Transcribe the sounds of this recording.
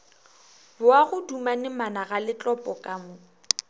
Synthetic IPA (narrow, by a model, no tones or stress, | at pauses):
bʊaɣʊdumanɪmanaɣalɪt͡ɬʼɔpʼɔkʼamʊ